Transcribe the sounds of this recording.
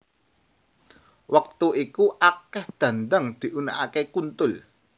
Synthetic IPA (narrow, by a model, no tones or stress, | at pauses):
wʔək̚t̪uikuʔakɛhd̪̥ä̤nd̪aŋd̪̥i̤ʔunaʔakekunt̪ʊl